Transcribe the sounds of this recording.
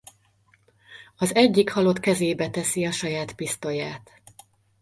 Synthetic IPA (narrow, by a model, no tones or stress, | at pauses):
ɒzɛɟːikhɒlo̞t̪kɛzeːbɛt̪ɛsiɒʃɒjaːt̪pist̪o̞jaːt̪